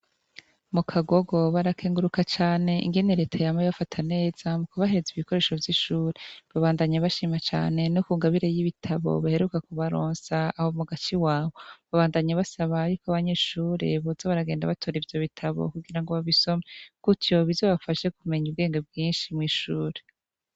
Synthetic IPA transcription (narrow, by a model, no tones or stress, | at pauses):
mukʰaɡo̞ɡo̞βaɾakʰeːŋɡuɾukat͡ʃaːne̞ʔḭŋɡe̞neɾe̞ːtʰajamaβafatʰane̞ːz̥amukuβaheɾeziβiko̞ɾe̞ːʃo̞vjiʃuːɾeβaβaːndaɲaβaʃiːmat͡ʃa̰ːnenokuːŋɡaβiɾejiβitʰaβo̰βahe̞ɾukakuβaɾoːnsaːhomuɡat͡ʃiwaːβo̞βaβaːndaɲaβasaβajuːkoaβaɲe̞ːʃuːɾe̞̰βazoβaɾaɡeːnda̰βatʰoɾivjo̞βitʰaβo̞̰kuɡiɾaŋɡoβaβiso̞mekutjo̞βizo̞ːβafaʃe̞kume̞ɲubɡeːŋɡebɡiːnʃimŋiːʃuːɾe